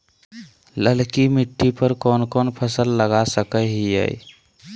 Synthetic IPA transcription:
ləlkimiʈʰːipəɾkɔːnkɔnpʰəsəlːəɡasəkəɦiə̰j

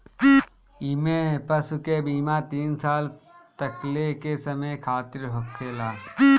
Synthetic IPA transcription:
ɪmẽpɐsukebiːmaːt̪iːnsaːl | t̪ɐklekesɐməjkʰaːt̪ɪɾɦʊkʰːeːlaː

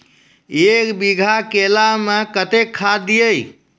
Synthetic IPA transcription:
ekbiɡʱakelamekət̪ekʰːad̪ijəj

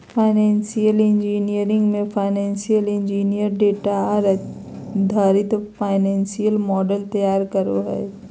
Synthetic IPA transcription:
pʰaːɪnɛ̃ːnsijəlẽnd͡ʒiːnijəɾɪ̃ŋɡmẽfʰaːɪnɛ̃ːnsijəlẽnd͡ʒiːnijəɾɖeːʈaɾ | d̪ʱaːɾit̪opʰaːɪnɛ̃ːnsijəlmɔːɖəlt̪ɐjaːɾkəɾoɦɛ̰ː

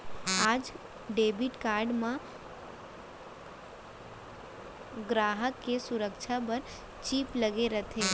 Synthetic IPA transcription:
aːd͡ʒ | ɖeːbiʈkaːɾɖmẽ | ɡɾaːɦəkːesʊɾəkt͡ʃʰapəɾ | t͡ʃiːpləɡeɾət̪ʰe

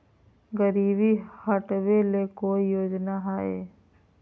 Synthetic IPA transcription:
ɡəɾiːbihəʈʋelekoːijoːd͡ʒnaɦaːḛː

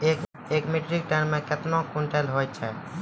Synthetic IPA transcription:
ek | ekmiʈɾik̚ʈanmẽket̪nokuɳʈɛlɦojt͡ʃʰɛ

